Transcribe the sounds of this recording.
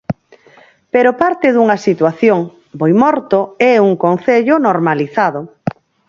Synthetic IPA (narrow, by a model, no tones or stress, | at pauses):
peɾopaɾt̪ɪðuŋɐsit̪waθjoŋ | bojmɔɾt̪oɛuŋkon̟θeʎʊnoɾmaliθaðʊ